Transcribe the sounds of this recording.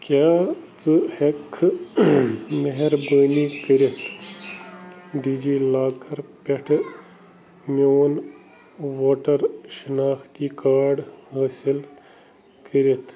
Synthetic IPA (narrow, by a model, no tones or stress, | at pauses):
kʲjaːt͡sɨhekʰː | meɦeɾbəːniːkəɾet̪ʰ | ɖiːd͡ʒiːlaːkɐɾpeʈʰ | moːn | ʋoːʈɐɾʃinaːxt̪iːkaːɖhaːsil | kəɾet̪ʰ